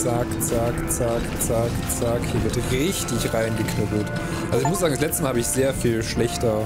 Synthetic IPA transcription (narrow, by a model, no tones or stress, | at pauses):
sakt͡sakt͡sak | t͡sak | t͡sakhiːɐvɪɐtʁɪçtɪçʁaɪnɡəkʰnʊpl̩t | ʔalzoɪçmʊszaːɡŋdaslɛt͡stəmalhaːbəɪçz̥eːɐfiːlʃlɛçtɐ